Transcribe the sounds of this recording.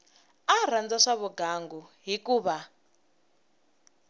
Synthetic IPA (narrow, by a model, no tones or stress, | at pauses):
ar̤and͡zaʂaβuɡaŋɡuɦikuːβa